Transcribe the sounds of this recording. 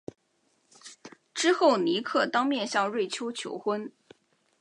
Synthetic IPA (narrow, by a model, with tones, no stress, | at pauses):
ʈ͡ʂɻ̩˥xo˥˩ʊni˧˥kʰɤ˥˩t̪ɑ˥ŋmjɛ˥˧nɕjɑ˥˧ŋɻwe˥˩ɪt͡ɕʰjo˥ʊt͡ɕʰjo̰˧˥ʊxwə˥n